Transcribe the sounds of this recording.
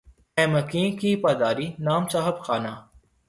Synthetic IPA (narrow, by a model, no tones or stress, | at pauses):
ɛːmɐkĩːkiːpaːd̪aːɾiːnaːmsaːɦəbxaːnaː